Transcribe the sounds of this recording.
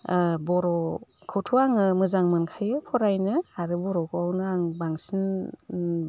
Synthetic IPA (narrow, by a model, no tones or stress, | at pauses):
bɔɾɔkʰɯwtʰuaŋɯmɯzaŋmɯnkʰajɯpʰɔɾajnɯaɾɯbɔɾɔkʰɯawnɯaŋbaŋsɯn